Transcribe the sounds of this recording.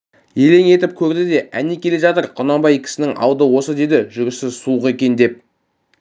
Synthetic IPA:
je̞le̞ŋe̞t̪ɪp̚kʲʰɵɾd̪ɪd̪e̞ʔænekʲʰe̞le̞ʒɑt̪əɾqʰʊnɑmbɑjkʲʰɪ̥sɪnɪŋɑ̰wd̪əwo̞səd̪e̞d̪ɪʒʏɾɪsɪzsuəqe̞kʲe̞nd̪e̞p̚

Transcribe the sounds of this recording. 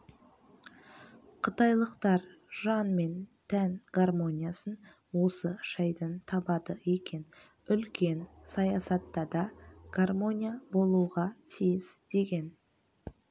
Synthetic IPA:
qʰət̪ɑjlˠəqt̪ɑɾʒɑnme̞nt̪ʰænɡ̥armo̞nʲijasən | wo̞səʃɑjd̪ənt̪ʰɑbɑd̪əekʲe̞n | ʏlkʲe̞nsɑjɑsɑt̪ːɑd̪ɑɡ̥armo̞nʲijabo̞lˠuʁɑt̪ʰijɪsd̪̥e̞ɡʲe̞n

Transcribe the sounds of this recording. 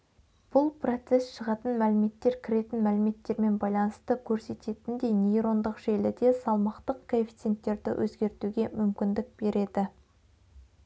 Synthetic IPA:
b̥ʊlˠpro̞t̪se̞sʃəʁɑt̪ənmælɪme̞t̪ːe̞ɾkʲʰɪɾe̞t̪ɪnmælɪme̞t̪ːe̞ɾme̞nbɑjlˠɑnəst̪əkʲʰɵɾse̞t̪e̞t̪ɪnd̪e̞jnʲejɾo̞nd̪əqʒ̥e̞lɪd̪e̞sɑlˠmɑqt̪əq̚kʰoefʲi̥t̪se̞t̪ːe̞ɾd̪ɪ̰wʔɵzɡʲe̞ɾt̪uɡʲe̞mʏmkʲɪnd̪ɪk̚b̥e̞ɾe̞d̪ɪ

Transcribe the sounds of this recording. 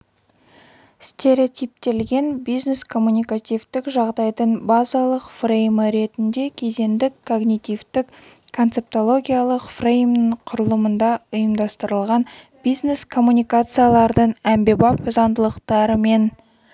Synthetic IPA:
st̪ʲe̞ɾʲeot̪ʲijp̚t̪e̞lɡʲe̞nbijzne̞skʰo̞mːunʲijkat̪ʲijvt̪ɪkʒɑʁd̪ɑjd̪əɴbɑzɑlˠəqfrejməɾe̞t̪ɪnd̪e̞kʲʰe̞ze̞nd̪ɪkʰːo̞ɡnʲit̪ʲivt̪ɪk | kʰːont̪se̞p̚t̪o̞lˠo̞ɡʲijalˠəqfrejmnəɴqʰʊɾəlˠəmənd̪ɑʊjəmd̪ɑst̪əɾəlˠʁɑn | bijzne̞skʰo̞mːunʲijkat̪sɨjalˠɑɾd̪əɴæmbe̞bɑpʊzɑnd̪əlˠəqt̪ɑɾəme̞n

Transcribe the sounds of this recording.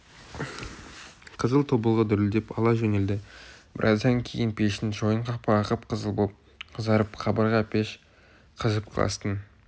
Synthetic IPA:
qʰəzəlˠt̪ʰobəlˠʁəd̪ʏɾɪld̪epɑlˠɑʒɵne̞ld̪ɪb̥ɪɾʔɑ̰zd̪ɑŋkʲʰejɪnpʰeʃɪnʒojəɴqʰɑpʰɑːqəpqʰəzəlˠb | qʰəzɑɾəpχʰɑbɑɾʁɑpʰeʃ | qʰəzəp̚qʰɑ̰lˠɑ̰st̪ən

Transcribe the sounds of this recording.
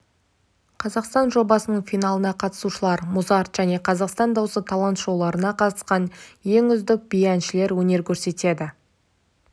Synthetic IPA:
qʰɑzɑqst̪ɑnʒo̞bɑsənəɴfijnɑlˠənɑqʰɑt̪ə̥suʃəlˠɑɾmʊzɑɾt̪ʒ̥æne̞qʰɑzɑqst̪ɑnd̪ɑwsət̪ʰɑlˠɑnt̪ʒo̞wlˠɑɾənɑqʰɑt̪ə̥sqɑnje̞ŋʏzd̪ɪk̚bijænʃɪle̞ɾwɵne̞ɾkʲʰɵɾse̞t̪e̞d̪ɪ

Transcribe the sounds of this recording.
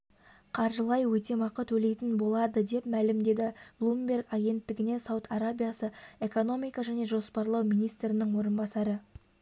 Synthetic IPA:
qʰɑɾʒəlˠɑjwɵt̪e̞mɑqət̪wɵle̞jt̪ɪnbo̞lˠɑd̪əd̪e̞pmælɪmd̪e̞d̪ɪblˠumbʲe̞rɡɑɡʲe̞nt̪ːɪɡʲɪne̞sɑwt̪ʰɑɾabʲijasəe̞ko̞no̞mijkɑʒæne̞ʒo̞spɑɾlˠɑwmijnijst̪ɾɪnɪŋwo̞ɾənbɑsɑɾə

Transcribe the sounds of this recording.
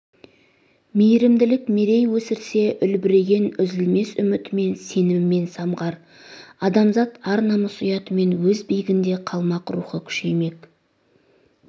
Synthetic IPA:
mejɾɪmd̪ɪlɪkme̞ɾe̞jwɵsɪɾse̞ʔʏlbɪɾe̞ɡʲe̞nʏzɪlme̞sʏmɪt̪me̞nse̞nɪːe̞nsɑmʁɑɾ | ɑd̪ɑmzɑt̪ɑɾnɑməsʊjɑt̪əme̞nwɵzbijɪɡʲɪnd̪eqʰɑlˠmɑqɾṵχəkʲʰʏ̥ʃejme̞k

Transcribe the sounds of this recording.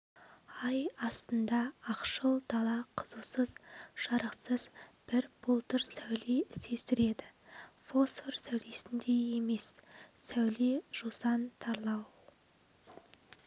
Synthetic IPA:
ɑjɑst̪ənd̪ɑːqʃəlˠd̪ɑlˠɑqʰəzuwsəzʒ̥ɑɾəqsəzb̥ɪɾb̥ʊlˠt̪əɾsæwlese̞st̪ɪɾe̞d̪ɪfo̞sfoɾsæwle̞sɪnd̪e̞e̞me̞sːæwleʒ̥usɑnt̪ʰɑɾlˠɑw

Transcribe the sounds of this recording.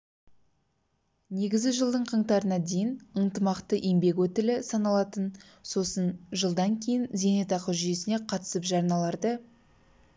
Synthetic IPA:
ne̞ɡʲɪzɡʲɪʒəlˠd̪əɴqʰəɴt̪ɑɾənɑd̪e̞jɪnənt̪əmɑqt̪əʔembe̞kwɵt̪ɪlɪsɑnɑlˠɑt̪ən | so̞sənʒəlˠd̪ɑŋkʲʰe̞jɪnze̞ne̞t̪ɑqəʒʏje̞sɪne̞qʰɑt̪ə̥səpʒɑɾnɑlˠɑɾd̪ə

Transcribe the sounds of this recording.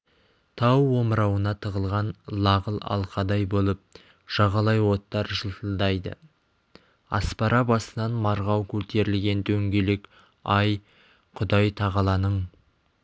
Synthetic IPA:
t̪ʰɑwːo̞mɾɑwənɑt̪ʰəʁəlˠʁɑnlˠɑʁəlˠɑ̰lˠqɑd̪ɑjbo̞lˠəp̚ | ʒ̥ɑʁɑlˠɑjwo̞t̪ːɑɾʒəlˠt̪əlˠd̪ɑjd̪ə̰ | ɑ̰spɑɾɑbɑsənɑnmɑɾʁɑwkʲʰɵlt̪ʰe̞ɾɪlɡʲe̞nt̪ʰɵŋɡʲele̞k | ɑj | qʰʊd̪ɑjt̪ʰɑʁɑlˠɑnəɴ

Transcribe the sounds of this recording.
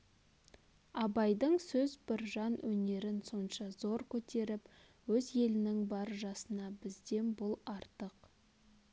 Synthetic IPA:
ɑbɑjd̪əɴsɵzbɪɾʒɑnwɵne̞ɾɪnso̞nʃɑzo̞ɾkʲʰɵt̪ʰe̞ɾɪp | wɵzje̞lɪnɪŋbɑɾʒɑsənɑbɪzd̪e̞nbʊlˠɑɾt̪əq

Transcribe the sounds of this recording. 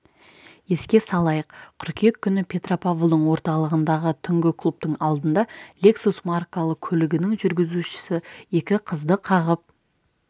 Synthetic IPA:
e̞skʲe̞sɑlˠɑjəqqʰʏɾkʲet̪̚kʲʰːʏnɪpʲʰe̞t̪ro̞pavlˠd̪əɴwo̞ɾt̪ɑlˠəʁənd̪ɑʁət̪ʰʏŋɡʲɪkʰlˠup̚t̪əɴɑlˠd̪ənd̪ɑlʲe̞ksusmarkalˠəq̚kʲʰɵlɪɡʲɪnɪŋʒʏɾɡʲɪzuʃɪ̥sɪe̞kʲɪqʰəzd̪əqʰɑʁəp̚

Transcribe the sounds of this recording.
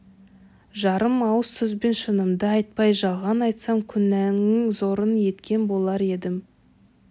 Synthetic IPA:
ʒɑɾəmɑwəsːʏzbe̞nʃənəmd̪əɑjt̪̚pɑjʒɑlˠʁɑnɑjt̪sɑmkʲʰʏnæŋɪŋzo̞ɾənje̞t̪kʲe̞nbo̞lˠɑɾe̞d̪ɪm

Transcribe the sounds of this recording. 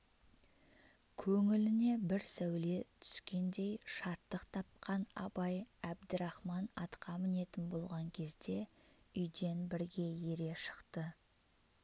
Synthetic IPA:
kʲʰɵŋɪlɪne̞bɪɾsæwle̞t̪ʰʏ̥skʲe̞nd̪e̞jʃɑt̪ːəqt̪ʰɑp̚qɑnɑ̰bɑjæb̚d̪ɪɾɑχmɑnɑt̪qɑmɪne̞t̪ɪnbo̞lˠʁɑŋkʲʰe̞zd̪e̞ | ʏjd̪e̞nbɪɾɡʲe̞je̞ɾe̞ʃə̥qt̪ə

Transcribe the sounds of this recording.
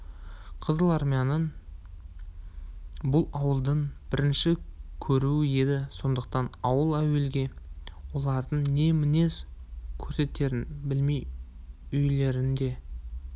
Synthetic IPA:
qʰəzəlˠɑɾmijɑnəɴ | bʊlˠɑwəlˠd̪əɴb̥ɪɾɪnʃɪkʲʰɵɾuɪje̞d̪ɪso̞nd̪əq̚t̪ɑnɑwəlˠæwe̞lɡʲe̞wo̞lˠɑɾd̪əɴne̞mɪne̞skʲʰɵɾse̞t̪e̞ɾɪnbɪlmej | ʏjle̞ɾɪnd̪e̞

